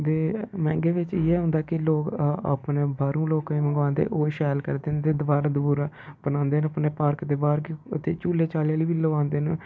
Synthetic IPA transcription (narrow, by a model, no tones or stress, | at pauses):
d̪eːmɛ̃ːŋɡeːʋɪt͡ʃɪeːɦʊ̃ːnd̪aːkɪloːka̰ːpneːbaːɾũːloːkẽːməŋɡʋãːnd̪ḛːʔoːʃɛːlkəɾd̪eːnd̪eːd̪əʋaːɾaːd̪əbuːɾaː | b̥ənãːnd̪eːnəpneːpaːɾkd̪eːbaːɾkət̪eːt͡ʃuːleːt͡ʃaːljaːliːʋiləʋãːnd̪eːn